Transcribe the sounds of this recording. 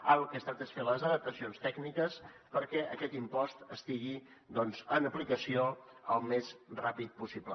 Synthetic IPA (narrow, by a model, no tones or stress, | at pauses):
əlˠkəst̪at̪esfeləzəðəp̚t̪əsionst̪ɛɡnikəspəɾkɛʔəkɛt̪impɔst̪əst̪iɣ̞i | d̪ɔnzənəplikəsioəlˠmezrapit̪̚pusiblə̰